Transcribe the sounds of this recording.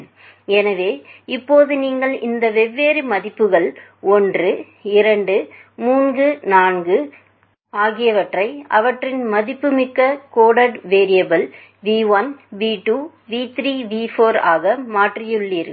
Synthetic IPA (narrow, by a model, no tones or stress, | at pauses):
ɛnɐʋeːɪpːoːðɯniːŋɡɐɭɪnd̪ɐʋɛʋːeːɾɯmɐðɪpːɯɣɐɭɔndrɯ | ɪɾɐɳɖɯmuːnɡɯnaːnɡɯ | aːɣɪjɐʋɐʈrɐɪɐ̰ʋɐʈrɪnmɐðɪpːɯmɪkːɐkoːɽɐɖʋeːɾɪjɐbɐl | ʋiːʋɐnbiːʈuː | ʋiːt̪ɾiːʋiːfoːɾaːɣɐmaːʈrɪjɯɭːiːɾɯ